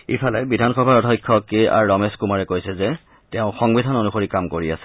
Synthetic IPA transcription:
ipʰalɛbidʱanxɔbʱaɹɔtʰɔ̃jkʰːɔkia̰ɹːɔmeskumaɹɛkojsɛzɛ | tɛʊ̃xɔŋbidʱanonuxoɹikamkoɹia̰sɛ̥

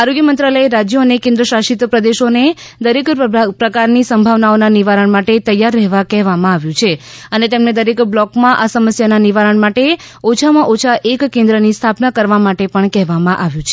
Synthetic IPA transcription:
aɾoɡjəmənt̪ɾaləeɾad͡ʒjoənekẽnd̪ɾəʃaʃit̪pɾəd̪eʃone | d̪əɾekpɾəkaɾnisəmbʱaʋnaonaniʋaɾəɳmaʈet̪əjːaɾːɛɦʋakɛɦʋamãaʋjũt͡ʃʰeənet̪emned̪əɾekblɔkmãʔasəməsjananiʋaɾəɳmaʈeot͡ʃʰamãʔot͡ʃʰaʔekkːẽnd̪ɾənist̪ʰapnakəɾʋamaʈepəɳkɛɦʋamãʔaʋjũt͡ʃʰe

